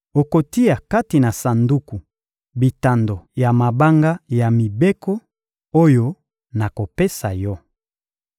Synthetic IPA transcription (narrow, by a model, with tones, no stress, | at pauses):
o˨ko˨ti˦ja˨ka˦ti˨na˨sa˨ndu˦ku˨ | bi˨ta˨ndo˨ja˨ma˨ba˦ŋɡa˦ja˨mi˨be˦ko˦ | o˦jo˦ | na˨ko˨pe˦sa̰˨jɔ˦